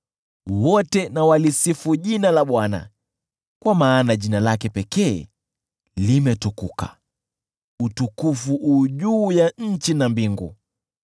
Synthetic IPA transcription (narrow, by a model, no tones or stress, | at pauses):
wɔtɛnawalisifuʄinalaɓwana̰ | kwamaːnaʄinalakɛpɛkɛː | limɛtukuka̰ | utukufuʔuʄuːjaɲ̩t͡ʃinambiŋɡṵ